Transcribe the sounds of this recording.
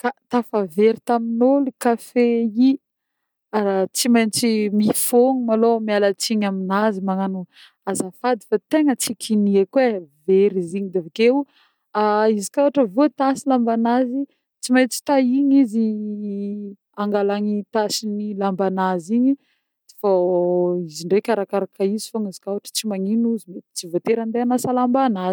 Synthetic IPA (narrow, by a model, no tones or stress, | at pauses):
kat̪afaveɾit̪aminolikafei | aɾat͡simajnt͡simifoŋumalomialat͡siɲaminazimaŋanu | azafad̪i̥fat̪eŋət͡sikʰiniekweveɾiziɲid̪evakew | aizikawaʈ͡ʂəvot̪asilambanazi | t͡simajt͡si̥t̪aiɲizi | aŋɡalaŋit̪asinilambanaziɲi | d̪̥fa | iziɳɖ͡ʐekaɾakaɾakaizi̥foŋizi̥kawaʈ͡ʂə̥t͡simaŋinuzimet͡sivot̪eɾand̪eanasalambanaz